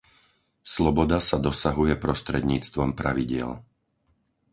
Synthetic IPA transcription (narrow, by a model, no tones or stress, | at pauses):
slɔbɔd̪asad̪ɔsaɦujɛpɾɔst̪ɾɛd̪ɲiːt͡st̪ʋɔmpɾaʋiɟɪɛ̰l